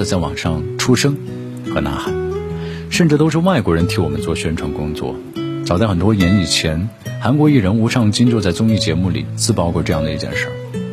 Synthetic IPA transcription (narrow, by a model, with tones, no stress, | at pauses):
ə˧˩t͡sa˥˩ɪwɑ̰˨˩ŋʂɑ˥˩ŋʈ͡ʂʰu˥ʂɤ˥ŋ | xɤ˧˥na̰˧˥xa˨˩˦ | ʂə˥˧nʈ͡ʂɻ̩˥˩t̪o˥ʊʂɻ̩˥˧wa˥˩ɪkwɔ˧˥ɻə˧˥nt̪ʰi˧˥wɔ˨˩mə̰˦nt͡swɔ˥˩ɕɥɛ˥nʈ͡ʂʰwɑ˧˥ŋkʊ˥ŋt͡swɔ̰˥˩ | ʈ͡ʂɑ˨˩t͡sa˥˩ɪxə˨˩nt̪wɔ˥jɛ˧˥ni˨˩t͡ɕʰjɛ˧˥n | xa˧˥nkwɔ˧˥i˥˩ɻə˧˥nu˧˥ʂʰɑ˥˧ŋt͡ɕi˥ŋt͡ɕjo˥˧ʊt͡sa˥˩ɪt͡sʊ˥ŋi˥˩t͡ɕjɛ˧˥mu˥˩lḭ˨˩˦t͡sɹ̩˥pɑ˥˧ʊkwɔ˥˩ʈ͡ʂɤ˥˧jɑ˥˩ŋd̪ə˩i˧˥t͡ɕjɛ̰˥˧nʂɻ̩̰˥˩